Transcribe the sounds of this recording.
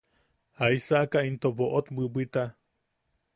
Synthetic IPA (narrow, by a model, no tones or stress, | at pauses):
haisaʔkaint̪oboʔot̪bɨbit̪a